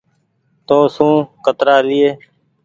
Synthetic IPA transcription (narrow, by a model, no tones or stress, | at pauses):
t̪oːsũːkət̪ɾaːlɪeː